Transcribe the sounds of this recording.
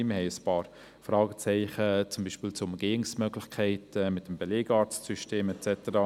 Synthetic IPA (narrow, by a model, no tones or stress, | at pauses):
məhɛɪjəspɑːɾ | fɾɑːɡ̥ət͡sɛɪχət͡sʊmbiːʃpiːlt͡sʊʊməɡ̥eːɪŋsmøɡlɪxkʰɛɪtɛmɪtːəmbɛleːɡ̥ɑːɾt͡stsyʃteːmɛtt͡sɛtəɾɑ